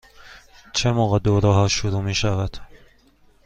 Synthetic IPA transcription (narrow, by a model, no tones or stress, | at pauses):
t͡ʃʰe̞moːɣed̪oːɾɒːɦɒːʃoɾuːmiːʃævæd̪̥